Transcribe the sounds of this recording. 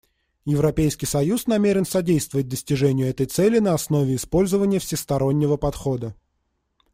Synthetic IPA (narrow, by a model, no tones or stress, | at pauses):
jɪvɾɐpʲejskʲɪjsɐjusnɐmʲeɾʲɪn̪sɐdʲejst̪vəvət̚ʲd̪əsʲtʲɪʐɛnʲɪjʊɛt̪əjt̪sɛlʲɪnəɐsno̞vʲɪɪspo̞lʲzəvənʲɪjəfsʲɪst̪ɐɾo̞nʲːɪvəpɐt̪xo̞d̪ə